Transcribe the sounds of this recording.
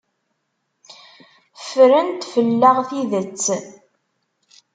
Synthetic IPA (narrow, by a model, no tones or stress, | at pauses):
fɾənt̪fəlːəʁθiðət͡sː